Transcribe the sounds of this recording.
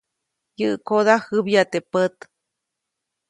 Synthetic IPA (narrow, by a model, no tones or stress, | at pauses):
jɨʔkod̪ahɨbjat̪epət̪